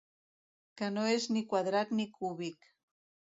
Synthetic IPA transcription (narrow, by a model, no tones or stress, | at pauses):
kanoeznikwaðɾat̪nikʰuβik